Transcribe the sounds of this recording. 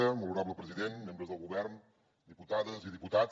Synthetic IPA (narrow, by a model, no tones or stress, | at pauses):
əmuluɾaβləpɾəziðenmembɾəzðəlˠɣuβɛɾn | d̪iput̪aðəziðiput̪a